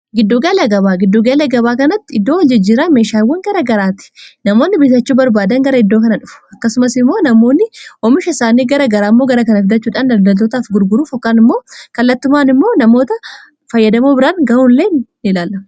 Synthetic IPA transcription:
ɡɪd̪ːoɡɐlɐɡɐβaːɡɪd̪ːoɡɐlɐɡɐβaːkɐnɐt̪ːɪɪd̪ːoːwɐd͡ʒɪd͡ʒːiːɾɐme̞ːʃaːwːɐŋɡɐɾɐɡɐɾaːt̪ɪ̥nɐmo̞ːnːɪbɪt̪ɐt͡ʃːuːbɐɾbaːd̪ɐŋɡɐɾɐɪd̪ːoːkɐnɐᶑʊfʊ̥ɐkːɐsʊmɐsɪmːo̞ːnɐmo̞ːnːɪɔmɪʃɐɪsaːniːɡɐɾɐɡɐɾaːɪmːo̞ːɡɐɾɐkɐnɐfd̪ɐt͡ʃːuːᶑaːnd̪ɐld̪ɐlt̪oːt̪aːfɡʊɾɡʊɾuːfɔkːaːnɪmːo̞ːkɐlːɐt̪ːʊmaːnɪmːoːnɐmo̞ːt̪ɐ | fɐjːɐd̪ɐmoːbɪɾaːnɡɐuːlleːnːɪlaːlːɐm

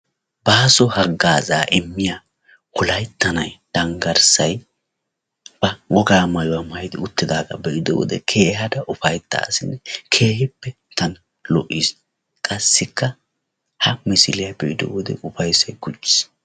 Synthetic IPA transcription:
baːsɔhɐɡːaːzaːʔɪmːɪja | kʊlɐjt̪ːɐnɐjd̪̥ɐŋɡɐɾsɐj | b̥ɐwɔɡaːmɐjʊwɐmɐjɪd̪ɪʊt̪ːɪd̪aːɡɐ̰bɛʔɪd̪ɔ̰wɔ̰d̪ɛ̰kʰeːɦɐd̪ɐʔʊfɐjt̪ːa̰ːsɪnːɛkʰe̞ːhɪpːɛ | t̪ɐn | lɔʔːis | kʼɐsːɪkːɐ | hɐmɪsɪlɪjɐbɛʔɪd̪ɔ̰wɔd̪ɛ̰ʔʊfɐjsɐjɡʊt͡ʃːɪ̥s

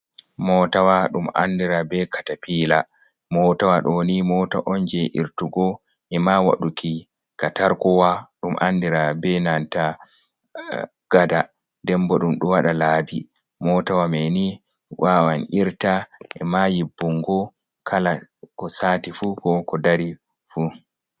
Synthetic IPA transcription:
mɔtawaɗuma̰ndiɾabɛkatapiːla | mɔtawaɗɔnimɔta̰ʔɔnd͡ʒɛʔḭɾtuɡɔ | ʔɛmawa̰ɗuki | kataɾkɔwaɗumʔa̰ndiɾabɛnanta | ɡ̥ada | dɛmbɔɗumɗɔwaɗalaːbi | mɔtawamɛni | wawaniɾtaʔɛ̰majibːuŋɡɔ | kʰalakɔsaːtifukɔkɔdaɾi | fu

